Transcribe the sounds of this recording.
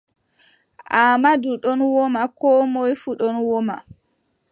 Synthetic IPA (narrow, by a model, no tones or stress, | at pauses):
ʔaːmaduɗɔnwɔmakɔːmojfuɗɔnwɔma̰